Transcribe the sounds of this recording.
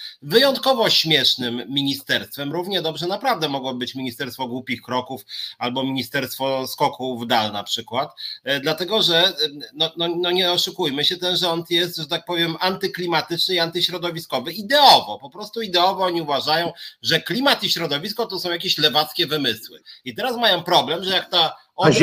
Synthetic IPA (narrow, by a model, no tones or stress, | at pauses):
vɘjɔnt̪kɔvɔɕmʲjɛʂnɘmːʲiɲist̪ɛɾst̪fɛmɾuvɲɛd̪ɔbʐɛnapɾavd̪ɛmɔɡwɔbɘt͡ɕmʲiɲist̪ɛɾst̪fɔɡwupʲixkɾɔkufalbɔmʲiɲist̪ɛɾst̪fɔskɔkʰuvd̪alna̰pʂɘkwat̪d̪lat̪ɛɡɔʐɛnɔnɔnɔɲɛɔʂukujmɘɕɛt̪ɛnʐɛɔnt̪jɛst̪ʐɛt̪ak̚pɔvʲjɛmant̪ɘklʲimat̪ɘt͡ʂnɘiant̪ɘɕɾɔd̪ɔvʲiskɔvɘid̪ɛɔvɔpɔpɾɔst̪uid̪ɛɔvɔɔɲiuvaʐajɔ̃w̃ʐɛklʲimat̪iɕɾɔd̪ɔvʲiskɔt̪ɔsɔ̃w̃jakʲeɕlɛvat̪skʲɛvɘmɘswɘ̰it̪ɛɾasmajɔ̃w̃pɾɔblɛmʐɛjakt̪a | ɔ